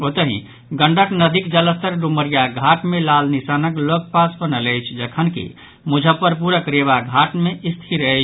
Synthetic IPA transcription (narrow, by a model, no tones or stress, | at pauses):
ot̪əɦḭ̃ | ɡəɳɖəknəd̪ʱikd͡ʒələst̪əɾɾuməɾijaɡʱaʈmẽlalnisanəklok̚pasbənələjt͡ʃʰd͡ʒəkʰənkḭ | mud͡ʒʱəpəɾpuɾəkɾebaɡʱaʈmẽʔist̪ʰiɾəɦɛt͡ʃʰ